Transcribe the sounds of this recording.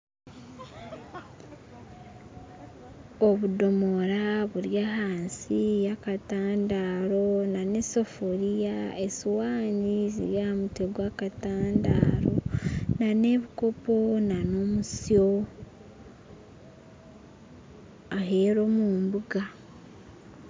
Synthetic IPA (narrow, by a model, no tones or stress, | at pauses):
oβudo̞mo̞ɾaβuɾjahaːnsijakataːndaːɾo̞nanesofoɾijaesiwaːnizḭɾjamuteɡwaːkataːndaːɾo̞̰nane̞βiko̞po̞nanomuso̞ | aɦe̞ːɾo̞ːmuːmbuɡa